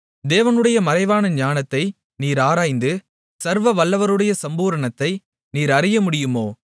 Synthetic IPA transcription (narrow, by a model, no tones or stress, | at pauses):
d̪eːʋɐnɯɽɐjɐmɐɾɐɪʋaːnɐɲaːnɐt̪ːɐɪ | niːɾaːɾaːjnd̪ɯ | sɐɾʋɐʋɐɭːɐʋɐɾɯɽɐjɐsɐmbuːɾɐɳɐt̪ːɐɪ | niːɾɐɾɪjɐmʊɽɪjɯmoː